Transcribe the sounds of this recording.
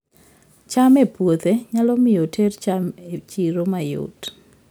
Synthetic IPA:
t͡ʃamepwot̪eɲalɔmɪjotʰert͡ʃamet͡ʃiɾomajo̰t

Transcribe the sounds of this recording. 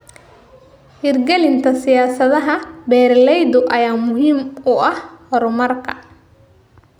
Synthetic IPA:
hirɡɛlɪnt̪ʰɐsɪjaːsɐðɐɦɐbɛːrlɛjd̪ʊʔɐjaːmʊɦiːmʊɐhhɔɾʊmɐrkʰɐ̰

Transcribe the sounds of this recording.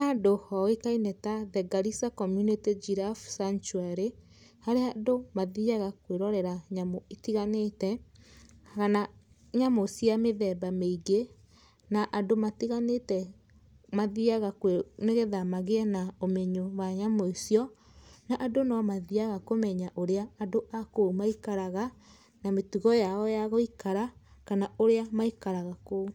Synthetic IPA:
adohɔɣekainɛtaðɛɡaɾisakɔmjunited͡ʒiɾafsant͡ʃuɛɾe | haɾeadomaðiaɣakweɾɔɾɛɾaɲamoetiɣanetɛ | ɣana | ɲamosjameðɛbameiɡe | naʔadomatiɣanetɛ | maðiaɣakeneɣeðamaɣeɛnaomeɲowaɲamoisiɔ | naʔadonɔmaðiaɣakomɛɲaʔoɾeaːdoʔakoumaikaɾaɣa | nametuɣɔjaɔjaɣoikaɾakanaoɾeamaikaɾaɣako

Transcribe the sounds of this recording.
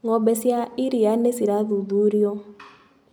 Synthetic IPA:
ŋɔbɛsiaiɾijanesiɾaðuðuɾiɔ

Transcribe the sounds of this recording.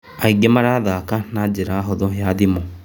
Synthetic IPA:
aiɡemaɾaːðakanad͡ʑeɾaːɦoðɔjaðimo

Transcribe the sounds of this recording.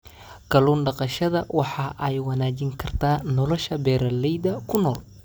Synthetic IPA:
kʰɐluːnɖɑqɑʃɐðɐwʔɑħɑːʔɛjwɑnaːt͡ʃɪŋkʰɐrt̪ʰaːnɔlɔʃɐbɛːɾɐlɛjd̪ɐkʰʊnɔːl

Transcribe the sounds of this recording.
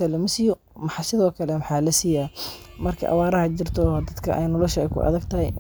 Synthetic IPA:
ɐlɔmɪsɪjɔ | mɑħɑsɪðɔːkʰɐlɛmɑħɑːlɐsijaː | mɐrkʰɐ̰ʔɐ̰wɑːɾɐhɐt͡ʃɪrt̪ʰɔd̪ɐd̪kʰɐʔɛ̰jnɔlɔʃɐɛjkʰʊ̰ʔɐ̰ðɐɡt̪ʰɐhɛ̰j

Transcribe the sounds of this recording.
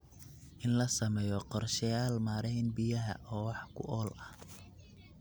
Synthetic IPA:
ʔɪnlɐsɐmɛːjɔqɔrʃɐjaːlmaːɾɛnbɪjɐɦɐ̰ʔɔːwɑħkʰʊ̰ʔɔːlɐh

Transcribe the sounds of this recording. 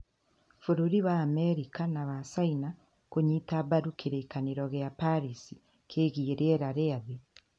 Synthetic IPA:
fuɾuɾiβaːmeɾikanaβasaina | koɲitaβaɾukʰiɾeikaniɾoɣjapaɾisi | kʰeːɣieɾeɾaɾeaði

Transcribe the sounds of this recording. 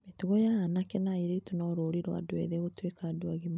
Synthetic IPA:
metuɣɔjaanakɛnaiɾeitunɔɾoːɾiɾwa̰doɛ̰ðɛɣotwekaːdoaɣim

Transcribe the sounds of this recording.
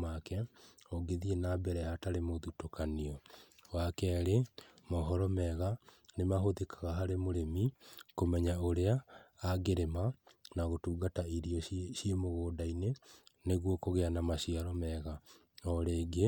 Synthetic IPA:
akɛoɡeðienabɛɾɛhataɾemoðutokaniɔwakɛːɾemɔɦɔɾɔmɛɣa | nemaɦoðikʰaɣaɦaɾemoɾemikomɛɲaoɾeaːɡeɾemanaɣotuːɡataiɾiɔɕjemoɣoːdaineneɣwokoɣeanamaɕiaɾɔmɛɣa | ɔɾeːɡe

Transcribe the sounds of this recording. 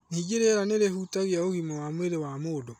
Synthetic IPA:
niːɡeɾeɾaneɾeɦutaɣjaoɣimawamweɾewamoːdɔ

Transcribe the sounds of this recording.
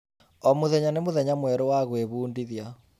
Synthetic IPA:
ɔmoðɛɲanemoðɛɲamwɛɾɔwaɣweβuːndiðja

